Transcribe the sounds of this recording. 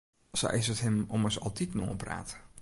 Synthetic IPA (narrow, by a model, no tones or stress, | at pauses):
so̰ɪsəthɪmɔməsɔ̰lˠtitno̰ːpra̰ːt